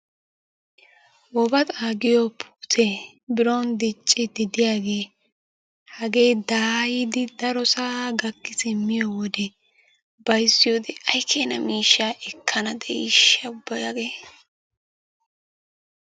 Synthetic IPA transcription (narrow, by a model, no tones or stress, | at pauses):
wɔbɐt̪ʼaːɡɪjɔpʰu̥ːtʰe | bɪɾond̪ɪt͡ʃʼːɪd̪ɪd̪ɪjaːɡe̞ː | hɐɡe̞ːd̪aːjɪd̪ɪd̪ɐɾɔsaːɡɐkːɪsɪmːɪjɔwɔd̪ɛ | bɐjsːɪjod̪ɛʔɐjkʰeːnɐmiːʃːaʔɛkʰːɐnɐd̪ɛʔɪʃːɐʊbːɐjaɡeː